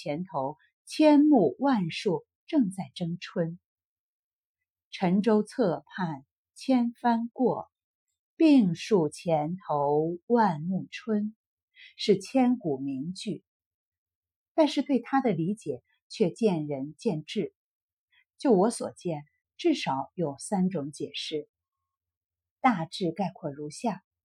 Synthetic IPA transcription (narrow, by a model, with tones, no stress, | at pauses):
jɛ˧˥nt̪ʰo˧˥ʊ | t͡ɕʰjɛ˥nmu˥˧wa˥˧nʂu˥˩ | ʈ͡ʂɤ˥˧ŋt͡sa˥˩ɪʈ͡ʂɤ˥ŋʈ͡ʂʰwə˥n | ʈ͡ʂʰə˧˥ŋʈ͡ʂo˥ʊt͡sʰɤ˥˧pʰa˥˩n | t͡ɕʰjɛ˥nfa˥nkwɔ˥˩ | pi˥˧ŋʂu˥˩t͡ɕʰjɛ˧˥nt̪ʰo˧˥ʊwa˥˧nmu˥˩ʈ͡ʂʰwə˥n | ʂɻ̩˥˩t͡ɕʰjɛ˥nku˨˩mi˧˥ŋt͡ɕy˥˩ | t̪a˥˧nʂɻ̩˥˧t̪we˥˩ɪt̪ʰa˥d̪ə˨li˧˥t͡ɕjɛ˨˩˦ | t͡ɕʰɥɛ˥˧t͡ɕjɛ˥˩nɻə˧˥nt͡ɕjɛ˥˧nʈ͡ʂɻ̩˥˩ | t͡ɕjo˥˩ʊwɔ˧˥swɔ̰˨˩t͡ɕjɛ˥˩n | ʈ͡ʂɻ̩˥˩ʂɑ˧˥ʊjo˨˩ʊsa˥nʈ͡ʂʊ˧˥ŋt͡ɕjɛ˨˩ʂɻ̩˥˩ | t̪a˥˧ʈ͡ʂɻ̩˥˧ka˥˩ɪkʰwɔ˥˩ɻu˧˥ɕja˥˩